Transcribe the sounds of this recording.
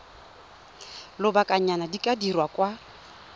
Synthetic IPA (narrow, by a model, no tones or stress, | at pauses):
lʊbakʼaɲanadikʼadirwakʼwa